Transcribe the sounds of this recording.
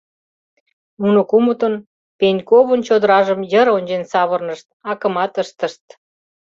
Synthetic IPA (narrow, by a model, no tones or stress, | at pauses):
unokumət̪on | penʲkoβənt͡ɕod̪əɾɑʒəmjəɾonʲd͡ʑensɑβərnəʃt̪̚ɑkə̆mɑt̪əʃt̪əʃt̪̚